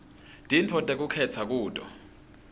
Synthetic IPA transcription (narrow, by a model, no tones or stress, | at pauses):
d̥ʱintʰɔtʼek̬ukʰɛtʰak̬uːtʼɔ̰